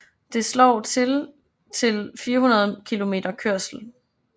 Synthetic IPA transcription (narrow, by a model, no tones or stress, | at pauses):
d̥e̝slɒ̰ʊt͡sʰel | t͡sʰe̝lfiːɐɦunɐð̞̩ˠkʰilo̝me̝̰ːd̥ɐkʰøɐ̰sl̩